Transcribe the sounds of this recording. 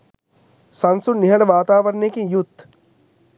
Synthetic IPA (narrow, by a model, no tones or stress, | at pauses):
sɐnsunːiɦɐɖɐʋaːt̪aːʋɐɾnejkiŋjut̪